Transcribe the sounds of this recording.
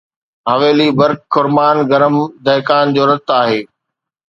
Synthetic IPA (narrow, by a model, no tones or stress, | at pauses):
ɦɐʋeːlibɐɾkːʰʊɾmaːnɡɐɾəmd̪ɐɦkaːnd͡ʑoːɾɐt̪aːɦeː